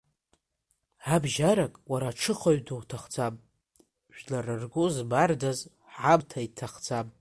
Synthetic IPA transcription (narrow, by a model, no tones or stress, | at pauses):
abʒaɾakʼwaɾaʈ͡ʂʰɨχoɥdowtʰaχd͡zʰapʼ | ʒᶣlarɨrɡʷʊzbardaz | ʕabtʰaitʰaχd͡zʰapʼ